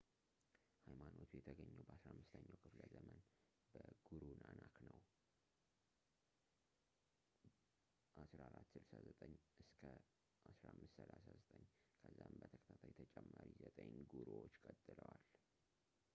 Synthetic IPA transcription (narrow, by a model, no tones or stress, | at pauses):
hajmano̞t̪ʰujɛt̪ʰəɡəɲːɛwbəasɾahmːɨst̪ʰəɲːawkʰɨfləzəmən | bəɡ̥uɾunanaknəw | ʔasɾaaɾat̪ːsɨlsazət̪ʼəɲːʔɨskʰə | ʔasɾaamːɨst̪səlasazət̪ʼəɲːkʰəzːambət̪ʰəkʼə̥t̪ʰat̪ʰajɛt̪ʰət͡ʃʼɛmːaɾizət̪ʼəɲɡuɾowot͡ʃːkʼət̪ʼːɨləwal